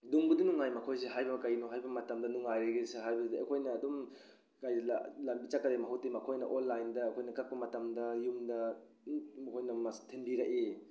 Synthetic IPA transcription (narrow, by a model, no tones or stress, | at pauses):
duŋbudunuŋajmɐkʰojs̬eɦajbɐɐkɐjnoɦajbɐmɐtɐmdɐnuŋajɾɐɡeseɦajbɐsdɐɐ̰kʰojnɐːdum | kajdɐllambit͡ʃakːɐdemɐɦawtːemɐkʰojnɐʔonlːajndɐːkʰojnɐkɐk̚pɐmɐtɐmdɐjumdɐ | mɐkʰojnɐmɐtʰenbiɾɐkʔe